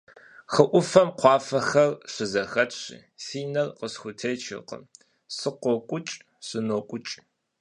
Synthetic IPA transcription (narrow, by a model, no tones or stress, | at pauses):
xəʔʷʊfɐmqʷɑːfɐxɐrɕɪzɐxɐtɕḭːsiːnɐrqəsxʷʊtʰejt͡ʃʰɪ̰qə̰ | sɨqʷɔkʷʼʊt͡ʃʼ | ɕɨnoːkʷʼʊt͡ʃʼ